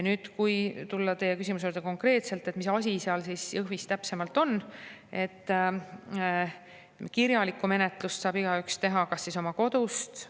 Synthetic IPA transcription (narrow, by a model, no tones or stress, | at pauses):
jnyːd̪̥kujt̪ulːɑt̪e̞jekys̬ʲimus̬juːɾd̪eko̞ŋkre̞ːt̪se̞lt̪ːˑet̪misɑs̬ʲiseɑlsisjɤɦvist̪æpse̞mɑlt̪ːˑo̞nːe̞t̪ː | kirjɑlikːˑume̞ne̞t̪ˑlussɑːb̥iɡ̥ɑykst̪e̞ɦɑkɑsːiso̞mɑko̞d̪̥ust̪